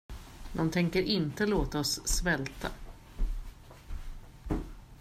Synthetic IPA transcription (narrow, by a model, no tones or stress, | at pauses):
d̪ɔmt̪ʰɛŋkəɾʔɪnt̪əloːt̪aɔsːvɛlt̪ʰa̰